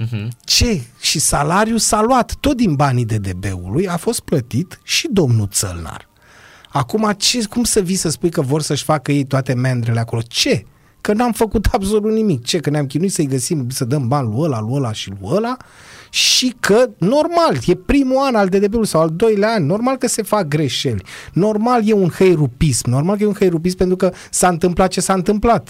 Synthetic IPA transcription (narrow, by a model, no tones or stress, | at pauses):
t͡ʃe̞ʃisalaɾijusaluat̪ːo̞t̪̚d̪inbanid̪e̞d̪e̞be̞̰ṵlujafo̞st̪̚plət̪it̪ʃid̪o̞mnut̪sə̰lna̰r | akumat͡ʃe̞kumsəvisəspujkəvo̞rsəʃʲfakəje̞jt̪oat̪e̞mend̪ɾele̞ako̞lo̞t͡ʃe̞ | kənuamfəkut̪ʰabso̞lut̪nimik̚t͡ʃe̞kəneamk̬ʲinuit̪səijɡəsimsəd̪əmbanluəlaluəlaʃilṵəla | ʃikʰəno̞rmalje̞pɾimuanald̪ed̪ebeuijsawald̪o̞jlaanʲno̞rmalkəse̞fak̚ɡɾe̞ʃe̞lʲno̞rmalje̞unhejrupismno̞ɾrmalk̬əjeunxejɾup̬ismpent̪ɾukə | saɨnt̪ɨmplat̪̚t͡ʃe̞saɨnt̪ɨmplat̪